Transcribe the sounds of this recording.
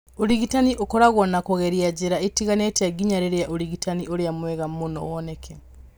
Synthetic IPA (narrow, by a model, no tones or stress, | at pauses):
oɾiɣitaniʔokɔɾaɣwɔnakoɣeɾiad͡ʒeɾaetiɣanetaɡiɲaɾeɾejaʔoɾiɣitaniʔoɾeamwɛɣamonɔ̰wɔnɛkʰɛ